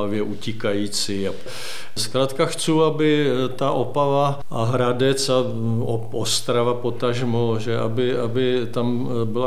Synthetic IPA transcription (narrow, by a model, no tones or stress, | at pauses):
avjɛʔucʲɪkajiːt͡sia | skɾaːt̪kaxt͡suːabɪt̪aʔopava | ʔaɦɾadɛt͡sa | oʔost̪ɾavapot̪aʒmoʒɛʔabɪabɪt̪am | bɪla